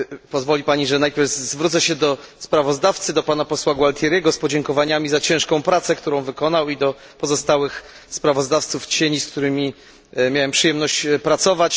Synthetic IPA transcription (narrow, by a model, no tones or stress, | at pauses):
pɔzvɔlʲipaɲiʐɛnajpʲjɛɾvzvɾut̪sɛɕɛd̪ɔspɾavɔzd̪aft̪sɘd̪ɔpanapɔswaɡwalt̪ʲjɛɾʲjɛɡɔspɔd͡ʑɛŋkɔvaɲamʲizat͡ɕɛ̃ʂkɔ̃w̃pɾat̪sɛkt̪uɾɔ̃w̃vɘkɔnawid̪ɔ | pɔzɔst̪awɘx | spɾavɔzd̪aft̪suft͡ɕeɲiskt̪uɾɘmʲi | mʲjawɛmpʂɨjɛmnɔɕt͡ɕpɾat̪sɔvat͡ɕ